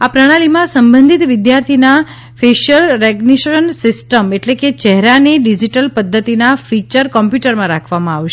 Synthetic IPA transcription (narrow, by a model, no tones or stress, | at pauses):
apɾəɽ̃alimãsəmbə̃nd̪ʱit̪ʋɪd̪jaɾt̪ʰina | feʃəlɾɛɡniʃənsɪsʈəmeʈleket͡ʃɛɦɾaneɖid͡ʒiʈəlpəd̪ʱːət̪inafit͡ʃəɾkɔmpjuʈəɾmãɾakʰʋamãaʋʃe